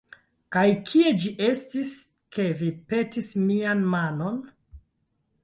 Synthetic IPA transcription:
kajkʰie̞d͡ʒiʔe̞stis | ke̞vipe̞tismianmano̞n

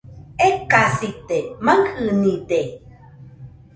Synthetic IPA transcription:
ekasit̪emaŋkʰɨnĩd̪e

